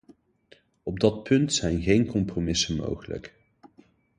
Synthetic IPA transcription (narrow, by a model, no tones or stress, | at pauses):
ɔb̚dɑt̚pʰɵntsɛjnɣejnkɔmpromɪsənmo̰wχələ̰k